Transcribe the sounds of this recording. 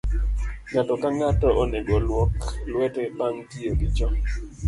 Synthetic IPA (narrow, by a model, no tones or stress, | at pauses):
ŋatɔkaŋatɔʔɔnɛɡɔlwɔklwɛtɛbaŋtioɡɪt͡ʃɔ